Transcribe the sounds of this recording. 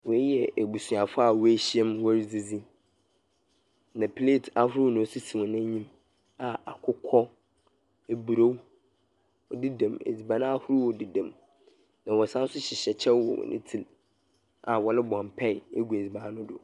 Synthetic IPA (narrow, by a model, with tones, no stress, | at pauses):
wɔ˨˦jɛ˨e˨bu˨su˨a˨fʊ˦a˨wɔ˦e˦ɕi˦ɛ˦mwɔ˦ɾd͡zi˦d͡zi˦ | nã˨pʰle˦˨tʰa˦hʊ˦ɾʊ˦nʊ̃˨˦si˦sĩ˨m˨nɪ̃˦ɲĩ˦m | a˨a˨kʰʊ˦kʰɔ˦ | e˦bu˨ɾo˦w | ɔ˨di˦dã˨mḛ˨d͡zi˨bã˨nã˦a˦hʊ˦ɾu˦wɔ˨di˨dã˨m | nã˨wɔ˨sã˦n˦sʊ˦ɕɪ˨ɕɛ˨t͡ɕʰɛ˦wɔ̰˨w̰nʔɪ̰̃˦tʰi˦l | a˨wɔ˨lɪ˦bɔ̃˨mpʰɛ˦ɪ˨e˦ɡu˨e˨d͡zi˨bã˨˦nʊ̃˦dʊ̰˨